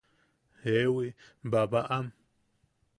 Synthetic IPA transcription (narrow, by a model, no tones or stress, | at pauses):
hewi | babaʔam